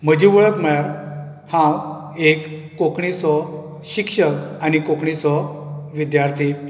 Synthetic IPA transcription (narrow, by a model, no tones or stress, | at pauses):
m̤əd͡ʑiʋəɭəkməɭaɾ | hãw | ekː | okɳit͡sɔ | ɕikʂəkanikokɳit͡sɔʋid̪jaɾt̪ʰi